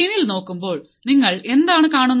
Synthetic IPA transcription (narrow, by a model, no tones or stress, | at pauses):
iːnilno̞ːkːumbo̞ːɭ | niŋːɐɭe̞nd̪aːɳɨkaːɳunː